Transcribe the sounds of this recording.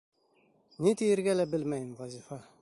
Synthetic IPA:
nit̪ijɘ̆ɾɡælæbɘlmæjɘmvæzifɑ

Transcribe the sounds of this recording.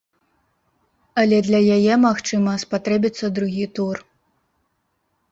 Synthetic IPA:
ɐlʲɛd̪lʲɐjajɛmaxt͡ʂɨmɐspat̪ɾɛbʲit̪sːɐd̪ɾuɣʲit̪ur

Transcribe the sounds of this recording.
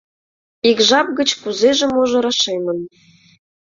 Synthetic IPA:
ikʒɑp̚ɡə̆t͡ɕkuzeʒĕmoʒɤ̆ɾɑʃemɤ̆n

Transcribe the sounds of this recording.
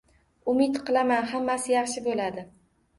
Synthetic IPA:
ʊmɪt̪qʰɨlˠamanɦamːasɪjɑχʃɪbolad̪ɪ

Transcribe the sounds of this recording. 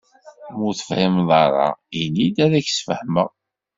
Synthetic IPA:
mʊθə̥fhimðˤɑɾˤɑ̰inːid̪æɾæçsfəħmə̰ʁ

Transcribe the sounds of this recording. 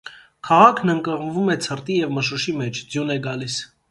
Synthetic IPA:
kʰɑʁɑkʰnəŋkəʁnvumɛt͡sʰərt̪ijɛvməʃuʃimɛt͡ʃʰd͡zjunɛɡɑlis

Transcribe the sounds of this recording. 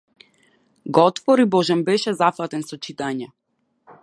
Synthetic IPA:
ɡɔt̪vɔɾibɔʒɛnbɛʃɛzafat̪ɛnsɔt͡ʃit̪aɲɛ

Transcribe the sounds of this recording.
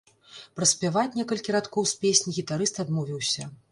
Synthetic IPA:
pɾɐsʲpʲɛvat͡sʲnʲɛkɐlʲkʲiɾat̪kɔwspʲesʲnʲiɣʲit̪aɾɨst̪ad̪mɔvʲiwsʲɐ

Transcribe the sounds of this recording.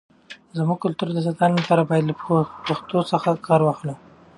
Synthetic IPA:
zmuɡ̚kʊlt̪uɾd̪əs̬at̪anlapɑɾabɑjad̪ləpaxt̪osəxakʰɑɾwɑxlu

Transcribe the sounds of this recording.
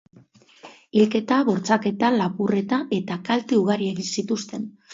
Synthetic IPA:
ilke̞t̪aβo̞ɾt͡sake̞t̪alapure̞t̪aʔe̞t̪akalt̪euɣ̞aɾie̞ɣinsit̪ust̪e̞n

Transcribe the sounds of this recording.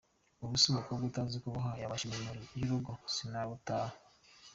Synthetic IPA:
uβusoβokobɡutaːnzikoβuɦajaβaʃiomoɾijiɾuɡosinaβutaːha

